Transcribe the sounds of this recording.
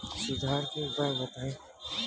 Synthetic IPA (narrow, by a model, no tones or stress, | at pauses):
sʊd̪ʱaːɾkeʊpəɾbət̪aːẽː